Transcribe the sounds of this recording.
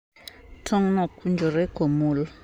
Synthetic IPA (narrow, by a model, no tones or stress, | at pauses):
tʰɔŋnɔkʰund͡ʒʱɔɾɛɡ̥ʱomuːlɔ